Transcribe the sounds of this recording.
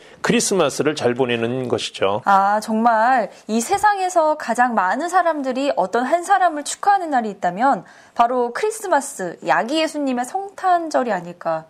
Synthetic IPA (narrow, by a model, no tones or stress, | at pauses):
kʰɯɾis͈ɯmas͈ɯɾɯɭt͡ɕaɭbonenɯnɡʌɕʰi̥d͡ʑoat͡ɕʌŋmaɾisʰe̞sʰaŋe̞sʰʌkad͡ʑaŋmanɯnsʰaɾamdɯɾiʔʌt͈ʌnɦansʰaɾamɯɭt͡ɕʰu̥kʰaɦanɯnːaɾiːt̚t͈amjʌn | paɾokʰɯɾis͈ɯmas͈ɯja̰ɡiesʰuɲːime̞sʰʌŋtʰand͡ʑʌɾiaɲiɭk͈a